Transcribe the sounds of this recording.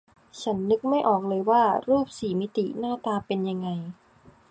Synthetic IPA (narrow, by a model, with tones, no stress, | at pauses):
t͡ɕʰa˦˥nːɯ˦˥k̚ma˥˩jʔɔː˨˩k̚lɤː˧jwaː˥˩ɾuː˥˩p̚siː˨˩˦mi˦˥t̪i˨˩naː˥˩t̪aː˧pe˧nja˧ŋːa˧j